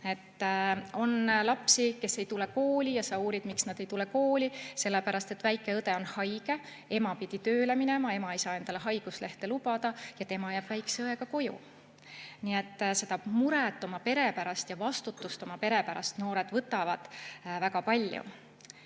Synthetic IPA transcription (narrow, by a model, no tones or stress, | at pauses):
e̞t̪ːo̞nlɑpsike̞sːe̞jt̪ule̞ko̞ːlʲijɑsɑuːɾid̪̥miksnɑd̪e̞jt̪ule̞ko̞ːlʲise̞lːepæɾɑst̪e̞t̪ːˑvæjkːˑe̞ɤd̪e̞o̞nhɑjɡ̥e̞ | e̞mɑpid̪̥it̪øːle̞mine̞mɑe̞mɑe̞jsɑːe̞nd̪̥ɑleɦɑjɡ̥usle̞ht̪e̞lubɑd̪̥ɑjɑt̪e̞mɑjæːb̥væjksɤe̞ɡ̥ɑko̞jṵ | nie̞t̪ːse̞d̪ɑmuɾet̪ːˑo̞mɑpe̞ɾe̞pæɾɑst̪jɑvɑst̪ut̪ːˑust̪o̞mɑpe̞ɾe̞pæɾɑ̰st̪no̞ːɾe̞d̪̥vɤt̪ːˑɑvɑd̪̥vækɑpɑlʲjṵ